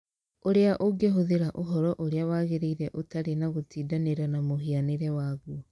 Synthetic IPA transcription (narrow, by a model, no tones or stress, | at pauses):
oɾeaʔoɡeɦoðeɾaʔoɦɔɾɔʔoɾeawaːɣeɾeiɾɛʔotaɾenaɣotiːdaneɾanamoɦianeɾɛwaːɣu